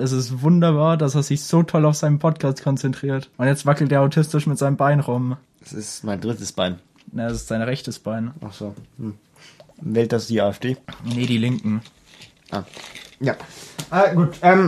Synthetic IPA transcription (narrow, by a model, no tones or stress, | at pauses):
ʔɛs̬ɪstvʊndɐbaːɐdaseːɐzɪçz̥oːtʰɔlaʊfz̥aɪnənpʰɔt̚kʰaːstkʰɔnt͡sɛntʁ̥iːɐtʔʊntjɛt͡stv̥akl̩t̚deːɐaʊtʰɪstɪʃmɪtz̥aɪnəmbaɪnʁʊm | ɛsɪstmaɪndʁɪtəsb̥aɪn | nəɛsɪ̥stz̥aɪnʁɛçtəsb̥aɪnʔa̰χz̥oːhm̩ | vɛːlt̚d̥asd̥iːʔaːɛfd̥eːnəɾiːlɪŋkŋ̩ | ʔa̰ːjaʔɛːɡuːtʔɛːm